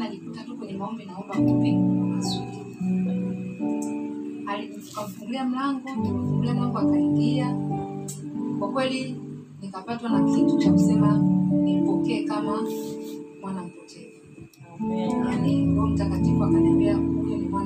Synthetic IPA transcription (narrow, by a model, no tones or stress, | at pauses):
nalikutʰatukwɛɲɛmaɔmbɛnaɔmbakipikuamazuli | alikufukamuvuŋɡuliam̩laŋɡɔmiluvuŋɡuliam̩laŋɡɔakaliŋɡia | kwakwɛli | niŋɡapatwanakʰintʰut͡ʃʰakusɛmanipɔkɛːkama | mwanam̩pɔkɛ | aniwɔm̩takatifuakanɛmbɛauiɔmuman